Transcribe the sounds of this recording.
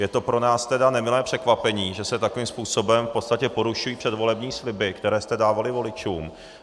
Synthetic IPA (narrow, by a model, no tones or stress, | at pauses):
jɛt̪o̞pɾo̞naːst̪ɛdanɛmɪlɛːpr̝̥ɛkvapɛɲiːʒɛsɛt̪akovimspuːso̞bɛmfpo̞t̪st̪acɛpo̞ɾuʃujiːpr̥ɛdvo̞lɛbɲiːslɪbɪkt̪ɛɾɛːst̪ɛdaːvalɪvo̞lɪt͡ʃuːm